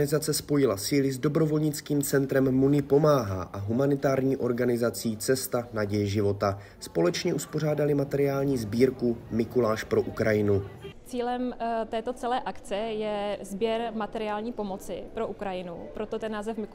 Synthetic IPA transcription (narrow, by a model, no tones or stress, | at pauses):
nɪzat͡sɛspo̞jɪlasiːlɪzdo̞bɾo̞vo̞lɲɪt͡skiːmt͡sɛnt̪ɾɛmːunɪpo̞maːɦa̰ːʔaɦumanɪt̪aːɾɲiːʔo̞ɾɡanɪzat͡siːt͡sɛst̪anaɟɛjɛʒɪvo̞t̪a | spo̞lɛt͡ʃɲɛʔuspo̞r̝aːdalɪmat̪ɛɾɪaːlɲiːzbiːɾkumɪkulaːʃpɾo̞ʔukɾajɪnut͡siːlɛmt̪ɛːt̪ot͡sɛlɛːʔakt͡sɛjɛzbjɛɾmat̪ɛɾɪaːlɲiːpo̞mot͡sɪpɾo̞ʔukɾajɪnupɾot̪ot̪ɛnːaːzɛfmɪ